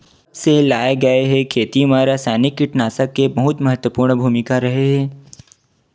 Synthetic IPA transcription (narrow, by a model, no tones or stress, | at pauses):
selaːeɡɐeɦɛkʰeːt̪imãɾasɛːnɪkːɪʈnaːsəkːebɐɦʊt̪mɐɦət̪wəpuːɾɳbʱuːmɪkaɾɐɦeɦɛ̃ː